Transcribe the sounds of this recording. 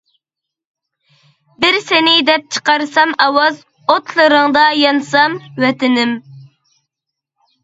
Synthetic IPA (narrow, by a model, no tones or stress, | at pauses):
bɪɾsɪnɪd̪ɛp̚t͡ʃʰə̥qɑɾsɑmɑwɑz | ot̪ʰlˠɨɾɨŋd̪ɑjɑnsɑmwɛt̪ɪnɪm